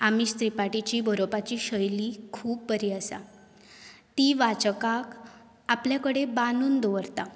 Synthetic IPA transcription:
amiːst̪ɾipaʈit͡ɕiːbʱəɾopat͡ɕiːɕəjliːkʰuːb̚pəɾiəsa̰ | t̪iʋat͡ɕəkak | apljakəɽebanuːnd̪oʋəɾt̪a

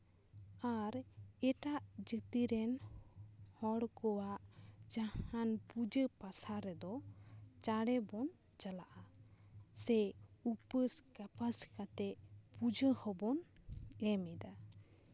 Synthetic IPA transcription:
aɾɛʈaʔd͡ʒət̪iɾɛn | hɔɽkɔwaʔd͡ʒahanpud͡ʒəpasaɾɛd̪ɔt͡ʃaɽɛbɔn | t͡ʃəlaʔa | sɛupəskapaskat̪ɛpud͡ʒəhɔbɔnɛmɛd̪a

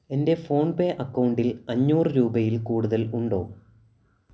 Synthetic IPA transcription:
e̞nde̞fo̞ːɳpeːʔɐkːɐwuɳɖilɐɲːuːrɨɾuːbɐjilkuːɽuðɐluɳɖo̞̰ː

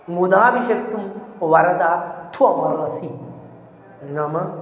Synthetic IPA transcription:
ŋud̪aːbiʃɐkt̪ːumʋɐɾɐd̪aːt̪ʰuɐmɐɾɐsi | nɐmɐ

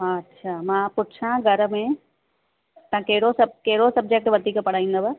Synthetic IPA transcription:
tːʃʰaːmãpʊʈt͡ʃʰãɡʱɐɾəmẽ | t̪ɐãkɐɦɪɽosɐbkɐɦɪɽosɐb̚d͡ʑek̚ʈʋɐd̪ʱiːkpɐɽ̤aːĩnd̪ɐbə

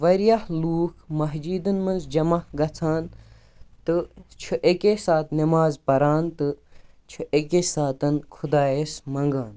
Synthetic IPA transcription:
ʋɐɾjɐhluːkʰmɐɦd͡ʒiːd̪ɨnmɐnzd͡ʒɐmɐhɡɐt͡sʰaːn | t̪ɨt͡ʃʰuʔekesaːt̪nimaːzpɐɾaːnt̪ɨ | t͡ʃʰɨʔekeːsaːt̪ɐnkʰud̪aːesmɐŋɡaːn

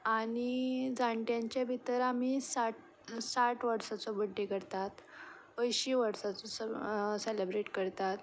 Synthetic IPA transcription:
aɽ̃id͡zaɳʈjãɲt͡ɕabʱit̪əɾam̤isaʈ | saʈʋəɾsat͡sɔbəɖʱːekəɾt̪at̪ | əjɕiːʋəɾsat͡sɔsəselebɾeʈkəɾt̪at̪

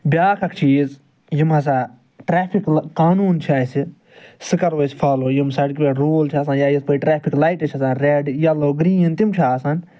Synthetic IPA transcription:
bʲjaːkʰɐkʰt͡ʃʰiːz | jimɦɐs̬aː | ʈɾeːpʰikkaːnuːnt͡ʃʰaːsi | sɨkɐɾʋoːsʲfʰaːloːjimsɐɽk̬ʲiʋeɾoːlt͡ʃʰas̬ãːjaːjispɐʈɾaːpʰiklajʈɐt͡ʃʰɐsaːnɾeːɖjaloːɡɾiːint̪imt͡ʃʰaːsan

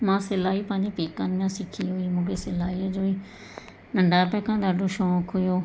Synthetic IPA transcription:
mãːselaːiːpãːd͡ʒĩpeːkːãːnɪjãːsɪkʰːiːɦoːiːmʊɡeːselaːiːad͡ʒoːiː | nəɳɖaːpɛːkʰãːd̪aːɖoːʃɔ̃ːkʰːojoː

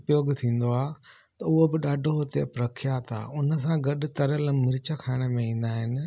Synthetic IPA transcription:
pjoːɡt̪ʰĩːn̆d̪oaː | t̪ɐʊɦobɪɗaːɖʱoɦot̪ḛpɾɐkʰijaːt̪ʰa̰ːʊnəs̬ãɡɐɗʊ̆t̪ɐɾələmɪɾɪt͡ɕəkʰaːɪɽ̃əmẽĩːn̆d̪aːɦɪnɪ̆

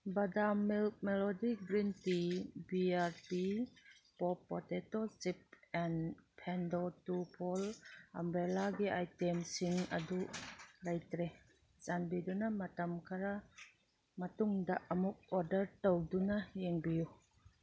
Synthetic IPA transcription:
badamːilmɛlɔdiɡɾintibiaɾpipɔpːɔtetosip̚ɛnpʰɛndotupʰɔlɐmbɾelaɡiʔajtɛmsiŋɐ̰dulajt̪ɾe | t͡ʃanbidunamɐt̪ɐmkʰaɾa | mɐtuŋdaʔɐmuk̚ɔɾdɐɾtowdunajeŋbiju

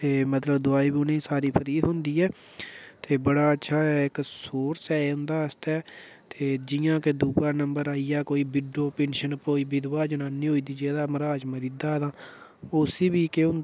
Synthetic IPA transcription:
t̪eːmət̪ləbd̪ʊaːiːbiːʊnẽːsaːɾiːpʰəɾiːt̪ɦʊ̃nd̪iːɛː | t̪eːbəɽaːətːʃʰaːɛːɪksoːɾsɛːʊ̃nd̪aːəst̪ɛː | t̪eːd͡ʒɪjãːked̪uːbaːnəmbəɾaːiːaːkoːiːbɪɖoːpẽːnʃənpoːiːbɪd̪ʋaːd͡ʒənaːniːɦoːiːd̪iːd͡ʒeːd̪aːməɾaːd͡ʒməɾiːd̪aːd̪ãːʊsiːbiːkeʊ̃n

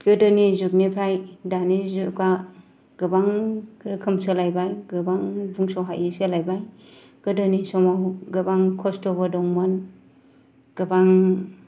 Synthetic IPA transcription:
ɡ̥ɯdɯnizuk̚nipʰɾajdanizuka | ɡ̥ɯbaŋkʰɯmsɯlajbajɡɯbaŋbuŋsɔwɦa̰jʔiselajbaj | ɡ̥ɯdɯnisɔmawɡɯbaŋkʰɔstɔβadɔŋman | ɡ̥ɯbaŋ

